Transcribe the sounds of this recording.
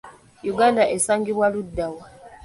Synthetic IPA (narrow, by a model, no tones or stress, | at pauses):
juɡaːndaʔesaːŋɡiβwaludːawa